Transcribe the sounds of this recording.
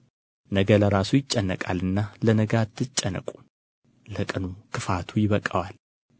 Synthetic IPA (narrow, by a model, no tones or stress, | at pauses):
nəɡələɾasujɪt͡ʃʼːənːəkʼalɨnːalənəɡat̪ʰːɨt͡ʃʼːənə̰kʼu̥ | ləkʼɨnukʰɨfat̪ʰujɪβəkʼəwal